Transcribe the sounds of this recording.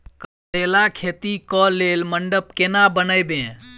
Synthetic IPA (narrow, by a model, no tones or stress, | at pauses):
kə | eːlakʰeːt̪ikɔleːlməɳɖəp̚kenabənəjbẽː